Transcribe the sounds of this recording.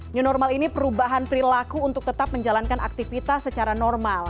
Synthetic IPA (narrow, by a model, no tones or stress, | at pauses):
ɲunɔrmalinipəɾubaɦanpəɾilakuːnt̪ʊk̚t̪ət̪ap̚məɲd͡ʒalankana̰k̚t̪ifit̪asːət͡ʃaɾanɔrmal